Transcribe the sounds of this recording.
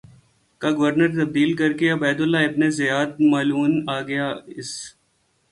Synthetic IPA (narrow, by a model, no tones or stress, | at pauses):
kaɡɐʋəɾnəɾt̪ɐb̚d̪iːlkɐɾkeɐbɛːd̪ʊlːaɪbnezɐjaːd̪̚maːluːnaːɡɐjaːɪs